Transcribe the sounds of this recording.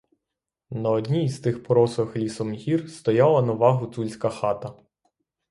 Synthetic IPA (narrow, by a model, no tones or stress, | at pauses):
nɐɔd̪ʲnʲiːst̪ɪxpɔɾɔsɔxlʲisɔmɦʲirst̪ɔjɑlˠɐnɐʋɑɦʊt̪sulʲsʲkɐxɑt̪ɐ